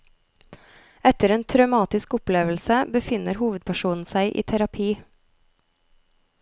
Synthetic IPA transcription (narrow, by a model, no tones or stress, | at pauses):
ɛt̪əɾeːnt̪ʰɾɑʉmɑːt̪ɪskʊpleːʋəlsəbəfɪnəɾhuːʋəd̪̚pʰæʃuːnn̩sæɪʔḭːt̪ʰæɾɑpʰiː